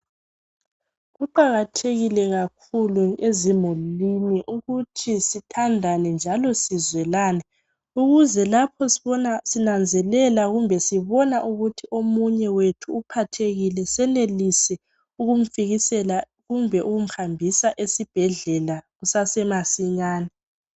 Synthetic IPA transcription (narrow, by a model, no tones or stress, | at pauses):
ɣuǃaɣatʰeɣilɛɣakʰuluezimuliniʔuɣutʰisitʰandʱanɛnd͡ʒʱalɔsizwɛlaːnɛ | uɣuzɛlapʰɔsiβɔnasinand͡zʱɛlɛlaɣumbʱɛsiβɔnaʔuɣutʰiʔomuɲɛwetʰuːpʰatʰeɣilɛsɛnelisɛ | uɣum̩fiɣisɛla | ɣumbʱɛʔuɣum̩hambʱisaʔesib̥ʱɛɮɛlaɣusasɛmasiɲaːnɛ